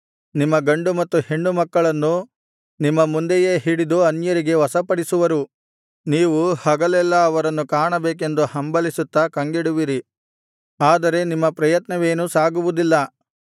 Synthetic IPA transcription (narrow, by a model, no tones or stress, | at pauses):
nimːɐɡɐɳɖumɐt̪ːuhe̞ɳːumɐkːɐɭɐnːu | nimːɐmund̪ejeːɦiɽid̪uɐnjɐɾiɡe̞ʋɐsɐpɐɽisuʋɐɾu | niːʋuhɐɡɐlɛlːɐːʋɐɾɐnːukaːɳɐbeːk̬e̞nd̪uhɐmbɐlisut̪ːɐkɐŋɡiɽuʋiɾi | aːd̪ɐɾe̞nimːɐpɾɐjɐt̪nɐʋe̞ːnusaːɡuʋud̪ilːɐ